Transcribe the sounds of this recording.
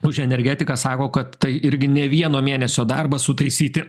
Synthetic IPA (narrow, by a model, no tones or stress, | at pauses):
ʊʒʲɛnʲɛɾʲɡʲæːt̪ʲɪkɐsɑːkoːkɐt̪tɐɪʔɪɾʲɡʲɪnʲɛʋʲiɛnoːmʲeːnʲɛsʲoːd̪ɐrbɐsʊt̪ɐɪsʲiːt̪ʲɪ